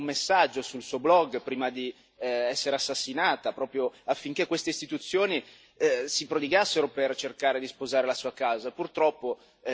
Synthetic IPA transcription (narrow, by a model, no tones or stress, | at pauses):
umesːad͡ʒːosulsuːoblɔɡpɾiːmad̪i | ɛsːeɾeasːasːinaːt̪apɾɔːpɾjoafːiŋk̟ekːwest̪eist̪it̪ut̪sːjoːni | sipɾod̪iɡasːeɾopert͡ʃerkaːɾed̪ispozaːɾelasuːakaːzapurt̪ɾɔpːo